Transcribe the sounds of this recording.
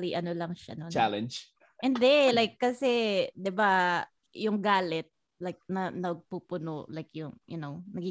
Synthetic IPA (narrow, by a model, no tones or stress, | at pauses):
liʔɐnolɐŋʃa̰not͡ʃalɛnd͡ʒ | ʔɪnd̪ɛlajkːɐsɛd̪ɪba | jʊŋɡaːlɛt̪̚ | lajk̚nɐnɐɡ̚pupʊnolajkjʊŋjʊ̰nownɐɡi